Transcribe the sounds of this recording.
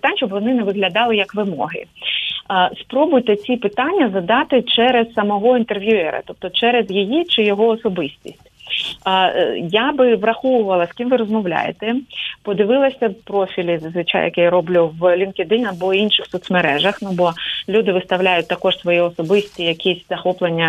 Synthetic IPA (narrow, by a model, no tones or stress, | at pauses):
pt̪anʲʃt͡ʃɔbʋɔnɪnɛʋɪɦlʲɐd̪ɑlˠɪjɐkʋɪmɔ̰ɦɪ̰ | spɾɔbʊjt̪ɛt͡sʲipɪt̪ɑnʲːɐzɐd̪ɑt̪ɪt͡ʃɛɾɛzsɐmɔɦɔint̪erʋʲjuɛɾɐ̰t̪ɔp̚t̪ɔt͡ʃɛɾɛzjijit͡ʃɪjɔɦɔɔsɔbɪsʲtʲḭsʲtʲ | jabɪʋrɐxɔʋʊʋɐlˠɐskʲimʋɪɾɔzmɔʋlʲa̰jḛt̪ɛpɔd̪ɪʋɪlˠɐsʲɐpɾɔfʲilʲizzʋɪt͡ʃa̰jɐ̰kɛjaɾɔblʲuʋlʲinked̪ɪnʲɐbɔinʃɪxsɔt̪smeɾɛʒɐxnubɔlʲud̪ɪʋɪst̪ɐwlʲajʊt̚ʲt̪ɐkɔʒsʋɔjɛɔsɔbɪsʲtʲijɐkʲisʲz̥ɐxɔplˠenʲːɐ